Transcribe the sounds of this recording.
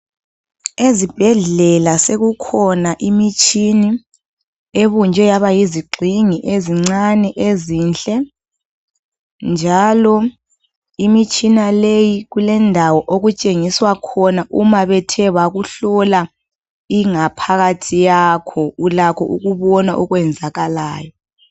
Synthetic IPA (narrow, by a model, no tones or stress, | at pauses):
ezib̥ʱɛɮɛlaseɣukʰɔnaʔimit͡ʃʰʼini | eβund͡ʒʱɛjaβajiziɡ͡ǀʱiŋiʔeziŋ͡ǀanɛʔeziːnt͡ɬʼɛ | nd͡ʒʱalɔ | imit͡ʃʰʼinalejiɣulɛndʱawɔʔoɣut͡ʃʼeŋiswakʰɔnaʔumaβɛtʰɛwaɣuɬɔla | iŋapʰaɣatʰijakʰɔulakʰɔ̰ʔuɣuβɔnaʔɔɣwɛnd͡zʱaɣalaːjɔ